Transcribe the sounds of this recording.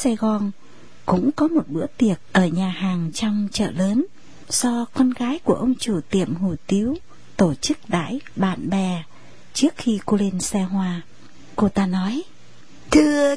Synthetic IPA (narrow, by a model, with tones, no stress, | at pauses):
sa˧jɣɔ˧n | kʊ̰˧˥ŋ͡mkɔ˨˦mo˨˩t̚ɓɨ̰˧˥ət̪i˨˩ət̚ʔəː˧˩ɲaː˨˩haː˨˩ŋt͡ɕɔ˧wŋ͡mt͡ɕə̰ː˧˨ləː˨˦n | sɔ˧kɔ˧nɣaː˨˦jku˧˩əʔə˧wŋ͡mt͡ɕu˧˩t̪i˧˩əmhu˧˩t̪i˨˦əw | t̪o˧˩t͡ɕɨ˦˥k̚ɗa̰ː˧˥jɓa̰ː˧˨nɓɛ˨˩ | t͡ɕɨ˦˥ək̚xi˧ko˧li˧nsɛ˧hɦwaː˧ | ko˧t̪aː˧nɔ˨˦j | t̪ʰɨ˧